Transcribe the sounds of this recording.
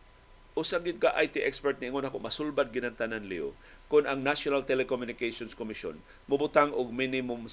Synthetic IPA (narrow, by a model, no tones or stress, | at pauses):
ʔʊsaɡɪd̪̚kaʔajt̪iʔɛkspɛɹt̪̚nɪʔːŋonakʊʔmasʊlbad̪̚ɡɪnaŋt̪ananlio̰ | kʊnaŋnaʃonalt̪ɛlɛkomjʊnɪkasonskomɪʃo̰n | mʊbʊt̪aŋʔʊɡ̚minɪmʊm